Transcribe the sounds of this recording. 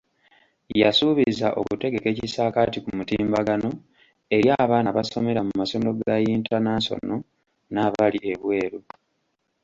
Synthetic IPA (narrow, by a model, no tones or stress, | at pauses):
jasuβizaʔo̞̰kute̞ɡe̞ke̞ːcisaːkaːtikumutiːmbaɡano̞ | e̞ɾjaβaːnaβaso̞me̞ɾamumaso̞ndo̞ɡajiːntanaːnso̞̰no̞ | naβaliʔeβwe̞ːɾu